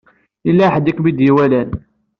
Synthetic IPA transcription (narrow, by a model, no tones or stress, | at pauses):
ilːæħəd̪ikmid̪jiwælæn